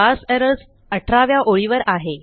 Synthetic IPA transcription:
asɛɾəɾs | əʈʰɾaʋjaʔoɭiʋəɾaɦe

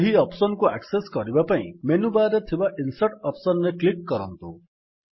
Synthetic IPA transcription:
ɦiʌpsɔnkuakseskʌɾibapaḭ̃menubaɾet̪ʰibaʔinseʈʌpsɔnːeklikːʌɾʌ̰nt̪ṵ

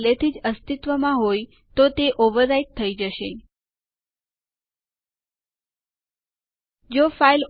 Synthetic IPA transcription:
let̪ʰid͡ʒəst̪it̪ʋəmãɦoj | t̪ot̪eʔoʋəɾːaiʈ̚t̪ʰːəid͡ʒəʃe | d͡ʒofail

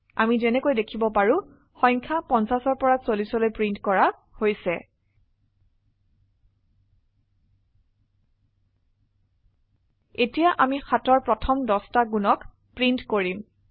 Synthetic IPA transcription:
a̰mizɛnɛkojdekʰibɔpaɹũ | xɔjŋkʰapɔnsasɔɹpɔɹasolisɔlojpɹintkɔɹa | hojsɛ | etijaʔamixatɔɹpɹɔtʰɔmdɔstaɡunɔk | pɹintkoɹim

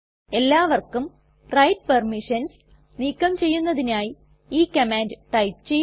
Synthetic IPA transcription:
e̞lːaːʋɐrkːum | rɐjʈ̚pɐrmiʂɐns | niːkːɐmt͡ɕe̞jːunːɐðinaːji | iːkɐmaːndɨʈɐjpt͡ɕej

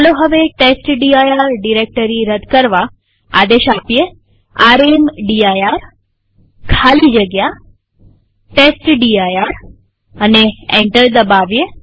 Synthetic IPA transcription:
loɦəʋeʈesʈɖiajaɾɖiɾek̚ʈəɾiɾəd̪kəɾʋa | a̰d̪eʃapje | aɾemɖiajaɾ | kʰalid͡ʒəɡja | ʈesʈɖiajaɾ | əneẽɳʈəɾd̪əbaʋje

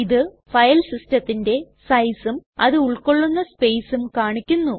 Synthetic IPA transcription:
iðɨ | fɐjɐlsistɐt̪ːinde̞ | sɐjsumɐðɨuɭko̞ɭːunːɐspe̞jsumkaːɳikʲːunːu

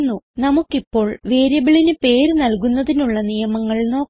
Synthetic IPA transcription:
nːunɐmukːipːo̞ːɭʋeːɾjɐbiɭinɨpe̞ːɾnɐlkunːɐðinuɭːɐnijɐmɐŋːɐɭno̞ː

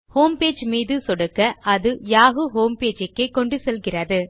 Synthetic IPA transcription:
hoːmpeːd͡ʒmiːðɯsɔɽɐkːɐɐðɯjaːɣɯɦoːmpeːd͡ʒɐkːekɔɳɖɯsɛlɣɪrɐðɯ

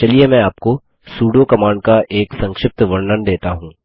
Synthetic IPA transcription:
t͡ʃɐliemɛ̃ːaːp̚ko | suːɖokɐmaːɳkaʔʔeːksɐ̃ŋkʃɪp̚t̪ʋɐɾnənd̪eːt̪aɦũː

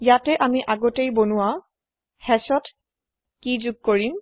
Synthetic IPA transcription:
jatɛʔamiʔaɡɔtejbonʊwa | hɛsɔt | kizuɡ̚koɹim

